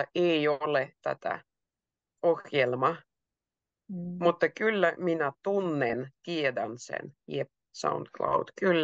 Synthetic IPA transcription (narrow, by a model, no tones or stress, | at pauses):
ɑʔeiolet̪æ̰t̪æ̰ | oxjelmɑ | mut̪ːɑkylːæminæt̪unːent̪iedænsḛnjep̚ | sɑ̰und̪klɑ̰wd̪̥kylː